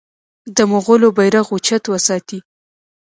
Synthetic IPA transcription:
d̪əmʊɣolobajɾaɣut͡ʃat̪wəsɑt̪i

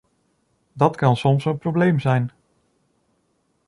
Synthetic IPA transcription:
dɑtkɑnsɔmsənprowblejmzɛjn

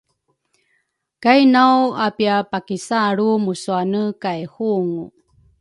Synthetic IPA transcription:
kajnawapiapakisaɭumusuanəkaehuŋu

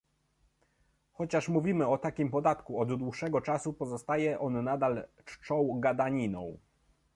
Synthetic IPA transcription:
xɔt͡ɕaʂmuvʲimɘɔt̪akʲimpɔd̪at̪kuɔd̪d̪wuʂɛɡɔt͡ʂasupɔzɔst̪ajɛʔɔnːad̪al | t͡ʂt͡ʂɔ̃w̃ɡad̪aɲinɔ̰̃w̃

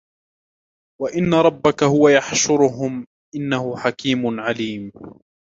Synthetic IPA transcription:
waʔɪnːaɾˤɑbːakahʊwajaħʃʊɾʊɦʊm | ʔɪnːahʊħakiːmʊnʕaliːm

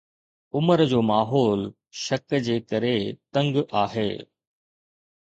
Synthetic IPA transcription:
ʊməɾd͡ʑoːmaːɦɔːl | ʃɐkd͡ʑeːkɐɾet̪ɐ̃ŋɡʔaːɦḛː

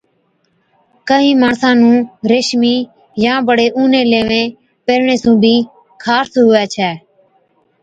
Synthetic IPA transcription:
kəɦĩːmaːɳsãːnũːɾeːʃmiː | jãːbəɽeːʔuːnẽːleːʋẽː | peːɾɳeːsũːbʱiː | kʰaːsɦʊʋɛːt͡ʃʰɛː

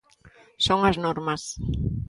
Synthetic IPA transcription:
soŋɐznɔɾmɐs

